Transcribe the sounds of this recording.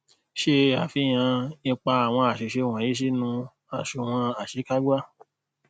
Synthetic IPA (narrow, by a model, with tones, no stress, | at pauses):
ʃe˧˦a˨fi˦j̃ã˧nĩ˧k͡pa˧a˨w̃ɔ̃˧a˨ʃe˨ʃe˧w̃ã˨i˨˦ʃ̬i˦nũ˧ | a˨ʃu˨w̃ã˧a˨ʃe˨˦ka˦ɡʷa˦